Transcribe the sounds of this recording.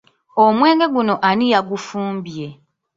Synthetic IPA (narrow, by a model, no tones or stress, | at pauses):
omwe̞ːŋɡe̞ɡuno̞ʔanijaɡufuːmbje